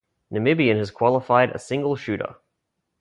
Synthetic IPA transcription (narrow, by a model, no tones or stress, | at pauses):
nɨmɪbiɨ̃nɨz̥kʰw̥ɑlˠəfaɪɾə̰sɪ̃ŋɡəlˠʃʉɾə̰